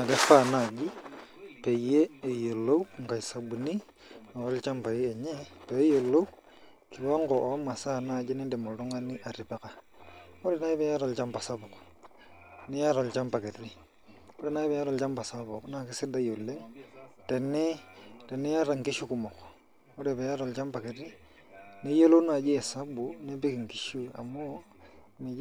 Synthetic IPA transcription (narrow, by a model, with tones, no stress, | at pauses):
na˨le˦fa˦na˨d͡ʒi˦pe˨ijeː˦˨jo˨lo˦wŋka˨sa˨bu˨ni˦ | no˨o˦lt͡ʃa˦mpa˨jiː˦˨ɲe˦pe˨˦jo˨lo˦w | ki˨wa˦ŋɡɔ˨ʔma˨sa˦na˦˨d͡ʒi˦ni˦dɛ˨mo˨ɾo˦ŋa˦ni˦ʔa˨ɾi˨pe˨ka˦ | kɔ˦ɾɛ˨na˦i˦βja˦ɾo˨lt͡ʃa˦mpa˨sa˦bo˨k | ni˦ja˦ɾo˨lt͡ʃa˦mpa˨ke˨ti˦ | o˦ɾi˦na˦i˦βe˨ja˦ɾo˨lt͡ʃa˦mpa˨sa˦βo˨kna˨ki˦si˦da˦jo˨le˦te˨ni˦te˨ni˦ja˦ɾa˨ŋki˦ʃu˦ku˨mo˨ko̥ | o˦ɾeβe˨ja˦ɾo˨lt͡ʃa˦mpa˨ke˨ti˦ | ni˦jo˦lu˦na˨d͡ʒi˦e˨sa˦bu˨ne˦bi˦ki˨ŋki˨ʃu˦a̰˨mu˦ | ni˨